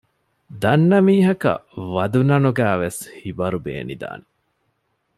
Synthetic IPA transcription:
d̪ɐnːɐmiːɦɐkɐ̰ʋɐd̪unɐnuɡæːʋeshibɐɾubḛːnḭd̪a̰ːne

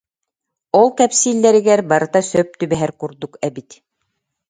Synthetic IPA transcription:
olˠkæpsilːæɾɘ̆ɡæɾbɑɾɤ̆t̪ɑsœp̚t̪ɵbæɦæɾkuɾd̪ukæbit̪

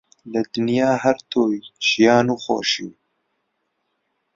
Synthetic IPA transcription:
ləd̪ɨnjaːɦæɾt̪ʰoːjʒ̥ijɑːnuːxo̰ːʃḭw

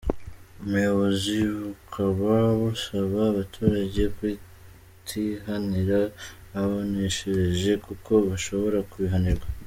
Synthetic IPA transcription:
umujo̞βo̞ziβukʰaβaβusaβaːβatʰuːɾaɟe̞kwi | tʰiɦaniɾaː | βoneʃeɾeʒe̞kukʰo̞βaʃo̞βo̞ɾakuβiɦaniɾɡa

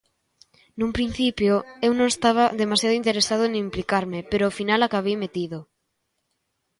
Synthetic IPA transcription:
numpɾin̟θipjoewnõŋest̪aβ̞aðemasjaðʊint̪eɾesaðoeñimplikaɾmepeɾoːfinalakaβejmet̪iðo

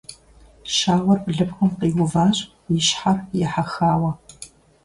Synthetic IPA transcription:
ʃaːʁʷɔrpɮɨpxʷʊmqiːwʊvaːɕʼ | jɪɕħarjɛħaxaːwɐ

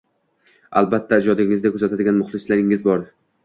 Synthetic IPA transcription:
a̰lbat̪ʰːaɪd͡ʒɒd̪ɪŋɪzd̪akʰʲɵzat̪ʰad̪ɪɡʲanmʊχlˠɪslaɾɪŋɪzbɒɾ

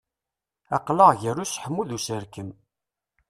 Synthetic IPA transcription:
ɑqləʁʝəɾusħəmːuðusəɾkəm

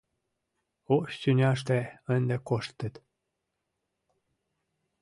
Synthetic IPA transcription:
oʃsynʲɑʃt̪eənd̪ekoʃt̪ːət̪

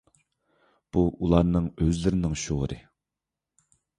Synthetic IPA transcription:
b̥uʔulˠɑɾnɨŋøzlɪɾɪnɪŋʃoʁɾɨ̰

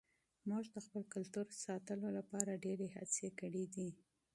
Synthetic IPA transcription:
muʒd̪əxpəlkʊlt̪uɾsɑt̪əlolapɑɾaɖeɾeha̰d̪sjekəɽid̪i

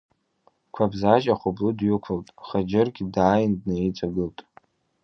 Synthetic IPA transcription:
kʷʰabzaʒaχʷʊbludɥʊkʷʰʊltʼχad͡ʒɪrɡʲidaːjɪndnait͡sʷʼaɡɨltʼ

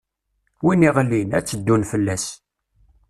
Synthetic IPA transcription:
winiʁlːinæt͡sːəd̪ːunfəlːæs

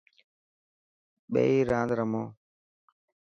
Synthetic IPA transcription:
ɓḛːiːɾãːnd̪ɾəmoː

